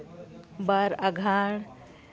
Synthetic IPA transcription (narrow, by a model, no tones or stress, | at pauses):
baɾɐɡʱaːɽ